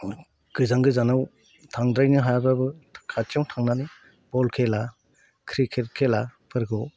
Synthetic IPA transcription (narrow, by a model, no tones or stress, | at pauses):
kɯzaŋɡɯzanaw | tʰaŋdɾajnɯɦajababɯkʰatiɔŋtʰaŋnanɯ | bɔlkʰela | kʰɾikʰet̚kʰelapʰɯɾɡɔw